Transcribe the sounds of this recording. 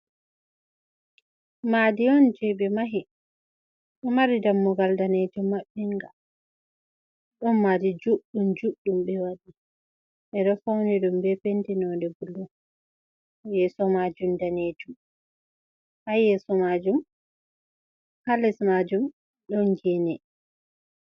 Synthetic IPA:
madiɔnd͡ʒɛbɛmaɦi | ɗɔmaɾidamːɔɡaldaned͡ʒɔmːaɓːɛŋɡal | ɗɔnːadid͡ʒuɗumd͡ʒuɗumbɛwaɗi | ʔɛɗɔfawniɗumbɛpentinɔndɛbulːɔ | jɛsɔmad͡ʒumdaned͡ʒum | hajɛsɔmad͡ʒum | kalɛsmad͡ʒum | ɗɔnɡɛnɛ

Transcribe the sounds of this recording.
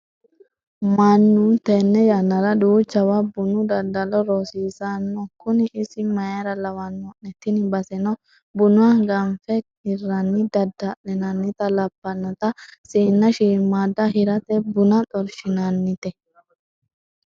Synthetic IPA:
mɐnːʊnt̪ɛnːɛjanːɐɾɐd̪uːt͡ʃːɐwabʊnʊd̪ɐd̪ːɐlɔɾosiːsanːɔkʊnɪʔɪsɪmɐjaɾɐlɐwɐnːɔʔɛt̪ːɪnɪbɐsɛnɔ | bʊnʊaɡɐmfɛ | ɪrːɐnːɪd̪ɐd̪ɐʔɛnɐnːɪt̪ɐlɐbːɐnːɐt̪ɐsiːnːɐʃiːmːaːd̪ɐhɪɾɐt̪ɛbʊnɐt̪ʼɔɾʃɪnanːɪt̪ɛ

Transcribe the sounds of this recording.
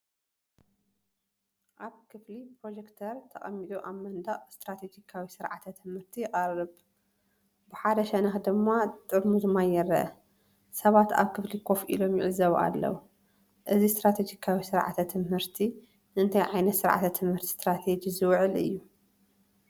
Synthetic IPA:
ʔaβkʰɨflipɾo̞d͡ʒekt̪ʰɐɾt̪ʰɐχʼɐ̰mːit̪ʼuʔaβmɐnd̪aʔʼst̪ɾat̪ʰed͡ʒikʰawisɨɾʕa̰t̪ʰɐt̪ʰɨmhɨɾt̪ʰijqʼɐrɨb | bɨħad̪ɐʃɐnɐxd̪ɨmːat̪ʼɨɾmuzɨmajɛrɐʔɐ | sɐβat̪a̰βkʰɨflikʰo̞fʔḭlo̞mjɪʕɨzɐβʔa̰lːɐ̰wu | ʔɨzist̪ɾat̪ʰed͡ʒikʰawisɨɾʕa̰t̪ʰɐt̪ʰɨmhɨɾt̪ʰi | nɨɨnt̪ʰajʕajnɐt̪sɨɾʕa̰t̪ʰɐt̪ʰɨmhɨɾt̪ʰi̥st̪ɾat̪ʰed͡ʒizɨwʕɨlɨ̰jːu

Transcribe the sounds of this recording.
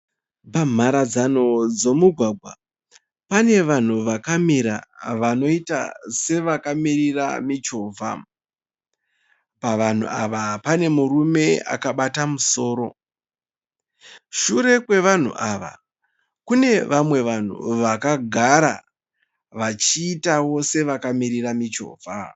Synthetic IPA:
bam̤aɾad͡zano̞d͡zo̞muɡʱwaɡʱwa | pane̞ʋan̤uʋakamiɾa̰ʋano̞ita̰se̞ʋakamiriramit͡ʃo̞ːvʱa̰ | paʋan̤ṵaʋapane̞murume̞a̰kaɓatamuso̞ːɾo̞ | ʃuɾe̞kwe̞ʋan̤ṵʔaʋa̰ | kune̞ʋamwe̞ʋan̤ṵʋakaɡʱaɾa̰ | ʋat͡ʃiːtawo̞se̞ʋakamiɾiramit͡ʃo̞̰ːvʱa

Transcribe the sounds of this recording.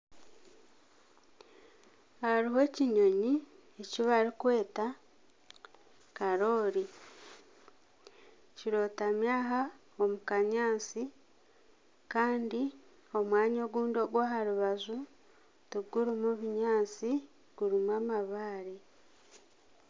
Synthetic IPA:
aɾiɦe̞ːciɲo̞ɲi | eciβaɾikwe̞ːta | kaɾo̞ːɾi | ciɾo̞ːtamjaːɦa | omukaɲaːt͡si | kaːndi | o̞mwaːɲoɡuːndo̞ɡwaːɦaɾuβazu | tuɡuɾimuβiɲaːt͡si | ɡ̥uɾimwaːmaβaːɾi

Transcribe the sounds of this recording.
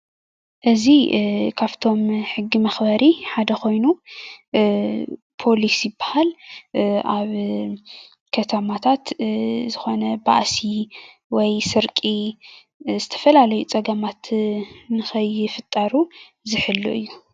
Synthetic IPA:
ʔɨzikʰaβt̪ʰo̞mħɨɡːimɐxbɐɾiħad̪ɐxo̞jnu | pʰo̞lisijɪbːahal | ʔa̰β | kʰɐt̪ʰɐmat̪ʰat̪zɨxo̞nɐba̰ʔsi | wɔjsɨɾkʼi | zɨt̪ʰɐ̥fɐlalɐjut͡sʼɐɡɐmat̪nɨxɐjɪfɨt̪ʼːɐɾu | zɨħɨlːṵʔɨjːu

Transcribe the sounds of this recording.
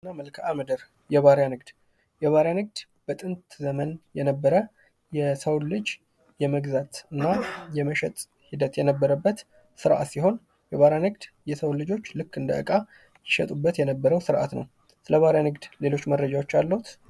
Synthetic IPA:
nːaməlkʰaməd̪əɾ | jɛβaɾjanɨɡd̪̥ | jɛβaɾjanɨɡ̚d̪̥ | b̥ət̪ʼɨnt̪zəmənjɛnəbːəɾə | jɛsəwlɨd͡ʒ | jɛməɡzat̪ɨnːajɛməʃɛt̪ʼ | hid̪ət̪jɛnəbːəɾəbːət̪ | sɨɾʔa̰t̪siho̞n | jɛβaɾjanɨɡd̪ | jɛsəwlɨd͡ʒo̞t͡ʃːlɨkːɨnd̪əɨ̰kʼa | jɪʃɛt̪ʼubːət̪jɛnəbːəɾəwsɨɾʔa̰t̪nə̰w | sɨləβaɾjanɨɡd̪le̞lo̞t͡ʃːməɾːəd͡ʒawo̞t͡ʃːalːəhut̪

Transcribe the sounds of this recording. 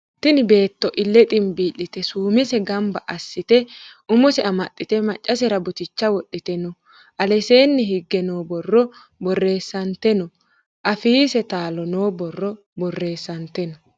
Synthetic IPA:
t̪ɪnɪbe̞ːt̪ːɔʔɪlːɛt̪ʼɪmbiːlːɪt̪ɛsuːmɪsɛɡɐmbɐʔɐsːɪt̪ɛʔʊmɔsɛɐmɐtʼːɪt̪ɛmɐt͡ʃʼːɐsɛɾɐbʊt̪ɪt͡ʃːɐwɔɗːɪt̪ɛnɔ | ʔɐlɛse̞ːnːɪɦɪɡːɛnoːbɔrːɔ | bɔrːe̞ːsːɐnt̪ɛnɔ | ʔɐfiːsɛt̪aːlɔnoːbɔrːɔ | bɔrːe̞ːsːɐnt̪ɛnɔ

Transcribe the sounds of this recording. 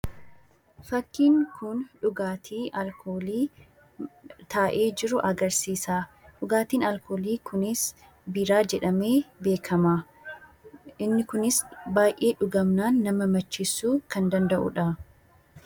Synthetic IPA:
fɐkːiːŋkʊnᶑʊɡaːt̪ʰiːʔɐlkoːliː | t̪aːʔe̞ːd͡ʒɪɾʊʔɐɡɐɾsiːsaːᶑʊɡaːt̪iːnɐlko̞ːliːkʰʊnɪs | biːɾaːd͡ʒɛᶑɐme̞ːbe̞ːkʰɐmaː | ɪnːɪkʊnɪsbaːjʔe̞ːᶑʊɡɐmnaːnːɐmɐmɐt͡ʃːɪsːuːkɐnd̪ɐnd̪ɐʔʊ̰ᶑɐ

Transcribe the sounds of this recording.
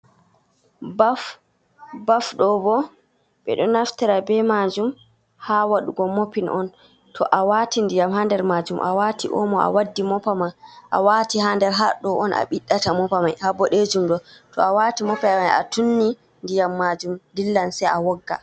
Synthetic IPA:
baf | bafɗɔbɔ | ɓɛ̰ɗɔnaftɛɾabɛmad͡ʒum | hawaɗuɡɔmopinʔɔn | tʰɔʔawatindijamɦandɛɾmaːd͡ʒumʔa̰watʰiʔɔ̰mɔa̰wadːimɔpamaʔa̰waːtihandɛɾɦaɗɔʔɔnʔa̰ɓiɗːatamɔpamajhabɔɗed͡ʒumɗɔtɔ̰awatimɔpamaja̰tunːi | ndijamːad͡ʒumdilːansɛjawɔɡːa̰

